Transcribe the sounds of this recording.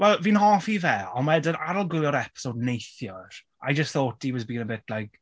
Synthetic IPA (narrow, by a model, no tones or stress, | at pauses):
wɛlˠviːnɦɔfivɛɔnmaɛdəna̰ɾɔlˠɡwɪlˠɔɾɛpɪ̥sodnejθjɔr̥ | a̰jd͡ʒəstθoːtiwɔzbĩːnəbɪtʰlajk